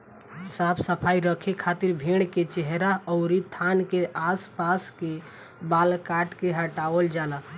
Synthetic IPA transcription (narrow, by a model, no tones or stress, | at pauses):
sapʰsəpʰaiɾəkʰekʰat̪iɾbʱeɽ̃ket͡ʃeɦɾaɔʊɾit̪ʰːankeʔaspaske | balkaʈkeɦəʈaəld͡ʒala